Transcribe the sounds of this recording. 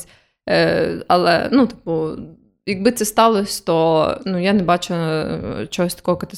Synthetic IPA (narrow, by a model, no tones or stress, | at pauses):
a̰lˠɛ̰nut̪i̥pɔ | jɐɡ̚bɨt̪sɛst̪ɑlˠɔsʲt̪ɔnujanɛbat͡ʃʊ | t͡ʃɔɦɔsʲt̪ɐ̥kɔɦɔkɐt̪ɪ